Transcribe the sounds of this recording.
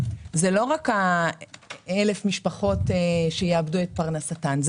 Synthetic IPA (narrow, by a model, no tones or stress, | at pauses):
zelo̞ʁaka | ele̞fmiʃpaχo̞teʃejeabduet̚paʁnasatanz